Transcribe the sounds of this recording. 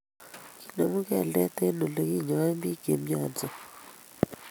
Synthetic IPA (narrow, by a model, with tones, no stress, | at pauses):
ki˦no˨mu˦ɡɛ˦˨lɛ˦t̪e˦no˨lo˨ɡi˦˨ɲɔ˨˦ɛ˦mbi˦ɡe˨mɲɔ˦nd͡zɔ˨